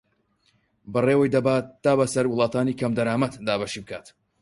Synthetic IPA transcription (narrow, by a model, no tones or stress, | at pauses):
bɐreːwɐjd̪ɐbaːtt̪ːaːbɐsɐɾwɨlˠɑːt̪ʰaːnikʰɐmd̪ɐɾaːmɐt̪d̪aːbaʃiːbɨkʰaːt̪